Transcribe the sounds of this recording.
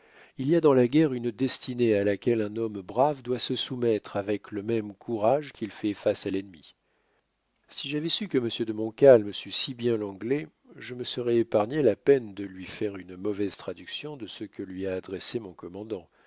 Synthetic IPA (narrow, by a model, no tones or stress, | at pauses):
iliad̪ɑ̃laɡʲɛʁynd̪ɛst̪inealakʲɛlɛ̃nɔmbʁavd̪wasəsumɛt̪χavɛkləmɛmkʰuʁaʒkʲilfɛfasalɛnmi | siʒavɛsykəməsjød̪əmɔ̃kʲalməsɥisibjɛ̃lɑ̃ɡle | ʒəməsəʁɛepaʁɲelapɛnd̪əlɥifɛʁynmɔvɛzt̪χad̪yksjɔ̃d̪əsəkəlɥiaːd̪ʁesemɔ̃kɔmɑ̃d̪ɑ̃